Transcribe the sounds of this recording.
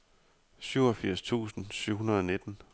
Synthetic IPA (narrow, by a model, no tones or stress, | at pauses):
syʊ̰ɒfiɐ̰st͡sʰṵːsn̩syʊ̰ɦunɐðˠɒ̽ne̝d̥n̩